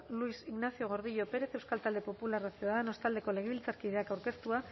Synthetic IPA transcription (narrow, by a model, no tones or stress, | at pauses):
luisiɣnasio̞ɣ̞o̞ɾð̞iʎo̞pe̞ɾe̞θe̞wskalt̪ald̪epo̞pularasiuðaðeno̞st̪ald̪e̞ko̞le̞ɣeβilt͡saɾkiðe̞akawɾke̞st̪ua